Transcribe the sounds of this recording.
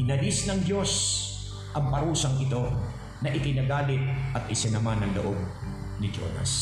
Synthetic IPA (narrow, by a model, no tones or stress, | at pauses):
ɪnɐlɪsnɐŋd̪jo̞s | ʔɐŋpɐɾuːsɐŋʔɪt̪o̞ | nɐʔɪk̪ɪnaɡaːlɪt̪̚ʔɐt̪̚ʔɪsɐnɐmanɐŋloʔoɡ̚ | nɪd͡ʒo̰nɐ̰s